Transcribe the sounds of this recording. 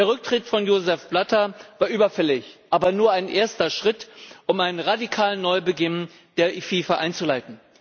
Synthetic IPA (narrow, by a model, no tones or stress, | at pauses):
d̥eːɐʁʏk̚tʁ̥ɪtfɔnjoːzɛfb̥latɐvaːɐʔyːbɐfɛlɪçʔaːbɐnuːɐaɪnʔeːɐstɐʃʁ̥ɪtʔʊmaɪnənʁadikʰaːlənːɔʏbəɡɪn | d̥eːɐʔifiːfɐʔaɪnt͡sulaɪtn̩